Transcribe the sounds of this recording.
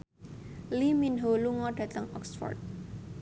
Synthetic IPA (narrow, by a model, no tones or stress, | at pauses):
liminɦoluŋɔɖ̥ä̤t̪əŋɔksfɔ̰rt̪̚